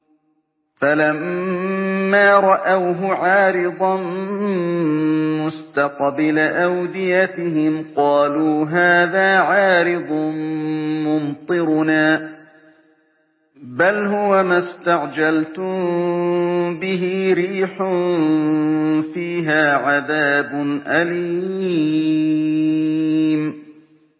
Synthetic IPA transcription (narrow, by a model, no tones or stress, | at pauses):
falamː | aːɾˤɑʔawɦʊʕɑːɾɪd̪ˤɑn | mʊst̪ɑqbɪlaʔawd̪ɪjat̪ɪɦɪmqɑːluːɦaːðaːʕɑːɾɪd̪ˤ | mʊnt̪ˤɨɾnaː | balɦʊwamast̪aʕd͡ʒalt̪ʊmm | bɪɦɪɾiːħʊn | fiːɦaːʕaðaːbʊnʔaliː | m